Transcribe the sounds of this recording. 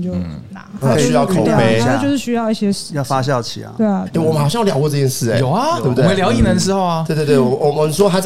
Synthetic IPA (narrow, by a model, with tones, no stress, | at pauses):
t͡ɕjo˥˩ʊ˩na˧˩˥y˥jɑ˥˩ʊkʰo˨˩˥e˧˥ɪja˥˦˩jo˥˧ʊʂɻ̩˥˩ɕy˥jɑ˥˧i˥˩ɕjɛ˥ʂjɑ˥˩ʊfa˦˥ɕ̬jɑ˥˩ʊt͡ɕʰḭ˨˩ɐ̰˩we˥˩ɪe˥˩wɔ˨mə˦nxʊɕɑ˥˧ŋjljɑ˨˥ʊkɔ˥˧˥ɤ˥˧t͡ɕjɛ˥˧ʂɻ̩˥˩e˨jo˨˩ʊɐ˦o˥˩bt̪e˥˩ljɑ˧˥ʊi˨˩nə˧˥nʂ̬ɻ̩˧˥xo˥˩ʊɐ˩e˥˧t̪t̪we˥˩˨wɔ˨˩ə˨˧˦swɔ˥t̪ʰa˥